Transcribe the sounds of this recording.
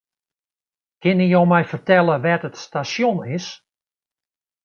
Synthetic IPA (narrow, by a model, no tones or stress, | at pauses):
kɪnijowmɛjfərtɛlˠəʋɛtətstasjonɪs